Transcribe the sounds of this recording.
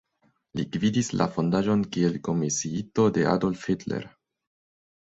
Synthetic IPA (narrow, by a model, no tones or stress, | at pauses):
liɡvidislʔa̰fo̞ndaʒo̞nkielko̞misiito̞de̞ʔa̰dolfetlḛɾ